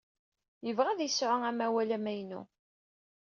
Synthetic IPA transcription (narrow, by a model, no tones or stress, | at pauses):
jəvʁæðjəsʕʊæmæwælæmæjnṵ